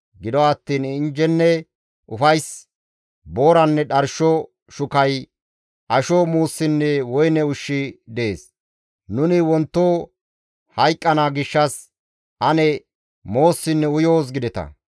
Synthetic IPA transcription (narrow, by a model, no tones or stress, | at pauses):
ɡɪd̪ɔːt̪ːiːnɪnd͡ʒɛnːɛ | ʔʊfɐjs | bo̞ːɾɐnːɛɗɐɾʃɔ | ʃʊkɐj | ʔɐʃɔmuːsːɪnːɛwɔjnɛʊʃːɪd̪ɛḛːs | nʊnɪwɔnt̪ːoː | hɐjkʼːɐnaːɡɪʃːɐs | ʔɐnɛ | mo̞ːsːɪnːɛʊjo̞ːs̬ɡɪd̪ɛt̪ɐ̰